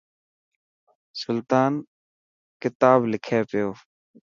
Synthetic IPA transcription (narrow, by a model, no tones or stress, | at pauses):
sʊlt̪aːn | kɪt̪aːblɪkʰeːpɪjoː